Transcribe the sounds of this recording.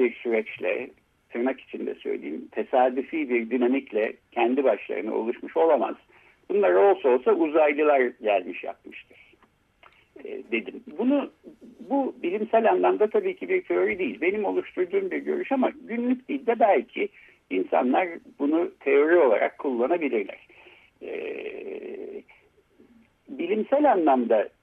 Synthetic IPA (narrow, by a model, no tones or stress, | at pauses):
biɾsyɾɛt͡ʃlʲɛ̰ | t̪ʰɯɾmaki̥t͡ʃʰind̪ɛ̰sø̰jlʲḛjḭmt̪ʰe̞saːd̪yfiːbiɾd̪ynamiclʲɛcʰɛnd̪ibaʃlˠa̰ɾɯnɯ̰o̞̰lˠuʃmɯʃo̞lˠama̰z̥ | bunlˠaɾo̞lˠsao̞lˠsauzajlˠɯlˠaɾɟælʲmiʃja̰p̚mɯʃt̪ʰɯɾ̥ | ɛ̰ːd̪e̞d̪imbunububilʲimsælʲanlˠamd̪at̪ʰabiːcʰibiɾt̪ʰe̞o̞ɾid̪ejilʲbe̞nimo̞lˠuʃt̪ʰuɾd̪uːmbiɾɟø̞̰ɾyʃamaɟynlʲyc̚ʲd̪ilʲd̪ɛbælʲcʰi | insa̰nlˠaɾbunut̪ʰe̞o̞ɾio̞lˠa̰ɾʔa̰kʰːulˠːanabilʲiɾlʲæ̰ɾ̥ | ɛ̰ | bilʲimsælʲanlˠamd̪a